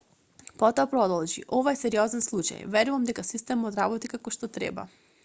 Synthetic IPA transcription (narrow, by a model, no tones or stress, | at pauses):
pɔt̪ɔapɾɔd̪ɔlˠʒḭʔɔvajsɛɾiɔzɛnslˠut͡ʃa̰jvɛɾuvamd̪ɛkasist̪ɛmɔd̪ɾabɔt̪ikakɔʃt̪ɔt̪ɾɛ̰ba̰